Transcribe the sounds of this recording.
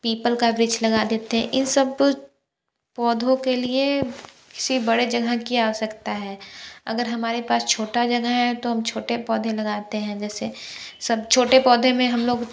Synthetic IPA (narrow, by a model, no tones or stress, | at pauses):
piːpəlkabɾɪd͡ʒlɐɡad̪eːt̪eɦɛ̰̃ʔɪnsɐb | pɔːd̪ʱõkelie | kɪ̥sibɐɽed͡ʒɐɡʱəkiaːsɐkt̪aɦɛːɐ̰ɡəɾɦɐmaːɾepaːst͡ʃʰoːʈad͡ʒɐɡəɦɛ̃t̪oɦɐmt͡ʃʰoːʈepɔːd̪ʱẽlɐɡaːt̪eɦɛ̃d͡ʒɛːsesɐb̚t͡ʃʰoːʈepɔːd̪ʱẽmẽɦɐmloːɡ